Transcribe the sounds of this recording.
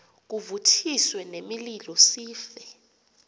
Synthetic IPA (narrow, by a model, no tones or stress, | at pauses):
k̬uvutʰiswɛnemililɔsiːfɛ